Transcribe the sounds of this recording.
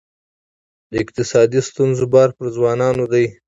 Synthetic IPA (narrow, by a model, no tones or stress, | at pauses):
d̪əɪqt̪ɪsɑd̪ist̪unzobɑɾpəɾzwɑnɑnod̪aj